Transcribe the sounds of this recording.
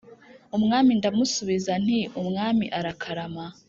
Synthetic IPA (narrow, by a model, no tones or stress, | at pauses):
umŋaːmindamusuβizan̥iumŋaːmiʔaɾakʰaɾama